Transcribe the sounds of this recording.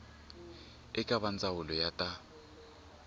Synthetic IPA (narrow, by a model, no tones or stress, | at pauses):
ɪkʼaβant͡sʼawʊlɔjatʼa